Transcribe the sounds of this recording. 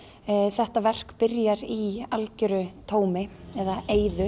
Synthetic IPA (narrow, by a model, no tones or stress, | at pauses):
θɛht̪avɛr̥kpɪɾjaɾialcʏɾʏt̪ʰoːwmɪɛðaeːjðʏ